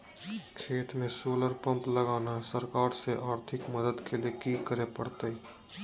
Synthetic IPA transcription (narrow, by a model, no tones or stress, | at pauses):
kʰeːt̪mẽsoːləɾpə̃mpləɡaːnaɦsəɾkaːɾseʔaːɾt̪ʰɪkməd̪əd̪keliekiːkəɾepəɽ̤t̪əi